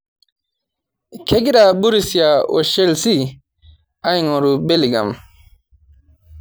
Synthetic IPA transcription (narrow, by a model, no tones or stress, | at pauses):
kʰeɡiɗabuɾisijaɔ̰ʃelsi | ajŋɔɾubeliɡa̰m